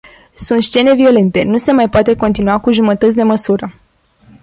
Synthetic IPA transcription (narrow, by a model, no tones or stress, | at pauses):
sunt̪ʃt͡ʃe̞ne̞vio̞le̞nt̪e̞nuse̞majpoat̪e̞ko̞nt̪inuakuʒumət̪ət̪sʲd̪e̞məsuɾə